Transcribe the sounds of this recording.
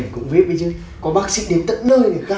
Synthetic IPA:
nkʊ̰˧˥ŋ͡mvi˦˥ət̚ɓə˨˧˦zɨː˧ | kɔ˨˦ɓaː˦˥k̚sḭ˧˥ɗi˨˧˩n̚t̪ə̰˧˥n̚nəː˧˩jne˨˩kaː˧

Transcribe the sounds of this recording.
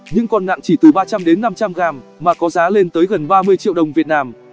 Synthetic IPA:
ɲɨ̰˧˥ŋkɔ˧nŋa̰˧˨ŋt͡ɕi˧˩t̪ɨ˨˩ɓaː˧t͡ɕa˧mɗe˨˦nːa˧mt͡ɕa˧mɣaː˨˩mːaː˨˩kɔ˨˦zaː˨˦le˧nt̪əː˨˦jɣə˨˩nɓaː˧mɨ˧əjt͡ɕḭ˧˨əwɗə˨˩wŋ͡mvi˨˩ət̚naː˧m

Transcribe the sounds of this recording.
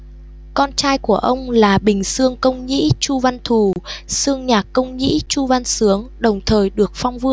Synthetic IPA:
kɔ˧nt͡ɕaː˧jku˧˩əʔə˧wŋ͡mlaː˨˩ɓï˨˩ŋ̟sɨ˧əŋkə˧wŋ͡mɲḭ˧˥t͡ɕu˧va˧nt̪ʰu˨˩sɨ˧əŋɲaː˨˩kkːə˧wŋ͡mɲḭ˧˥t͡ɕu˧va˧nsɨ˨˦əŋɗə˨˩wŋ͡mt̪ʰəː˨˩jɗɨ˨˩ək̚fa˧wŋ͡mvɨ˧əŋ

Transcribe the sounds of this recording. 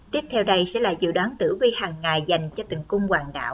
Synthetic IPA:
t̪i˦˥əp̚t̪ʰɛ˧wɗə˧jsɛ̰˧˥la̰ː˧˨˩zɨ̰˧˨ɗwaː˨˦nt̪ɨ̰˧˥vi˧haː˨˩ŋːaː˨˩jza˨˩jŋ̟t͡ɕɔ˧t̪i˨˩ŋkʊ˧ŋ͡mkwaː˨˩ŋɗa̰ː˧˩˨w

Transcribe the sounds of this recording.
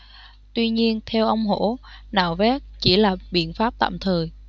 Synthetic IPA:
t̪wi˧ɲi˧ənt̪ʰɛ˧wʔə˧wŋ͡mɦo˧˥na̰ː˧˩wvɛ˦˥k̚t͡ɕi˧˩laː˨˩ɓḭ˧˨ənfaː˦˥p̚t̪a̰ː˧˨mt̪ʰəː˨˩j

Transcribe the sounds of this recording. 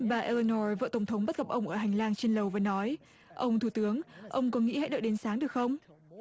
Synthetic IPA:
ɓaː˨˩ʔe˧lə˧nɔ˧˩və̰ː˧˨t̪ə˧˩wŋ͡mt̪ʰə˨˦ŋ͡mɓə˦˥t̚ɣə˨˩p̚ʔə˧wŋ͡mʔəː˧˩ɦa˨˩jŋ̟laː˧ŋt͡ɕe˧nlə˨˩wvaː˨˩nɔ˨˦j | ʔə˧wŋ͡mt̪ʰu˧˩t̪ɨ˨˦əŋʔə˧wŋ͡mkɔ˨˦nŋḭ˧˥ha̰˧˥jɗɨ˨˩ɗe˨˦nsaː˨˦ŋɗɨ˨˩ək̚xə˧wŋ͡m

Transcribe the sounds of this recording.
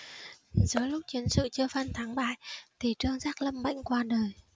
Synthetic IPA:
zəː˨˦jlʊ˦˥k͡p̚t͡ɕi˨˦ənsɨ̰˧˨t͡ɕɨ˧əfaː˧nt̪ʰaː˨˦ŋɓa̰ː˧˨jt̪ʰi˨˩t͡ɕɨ˧əŋzaː˦˥k̚lə˧mɓa̰˧˨jŋ̟kwaː˧ɗəː˨˩j

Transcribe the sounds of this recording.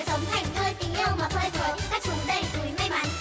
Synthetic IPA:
sə˨˦wŋ͡mt̪ʰa˨˩jŋ̟nəː˧jt̪i˨˦ŋ̟ʔi˧əwmaː˨˩t̪ʰəː˧˩jvʰəː˨˦jkaː˦˥k̚t͡ɕʊ˨˦ŋ͡mɗə˧˩jt̪u˨˦jma˧jma˨˦n

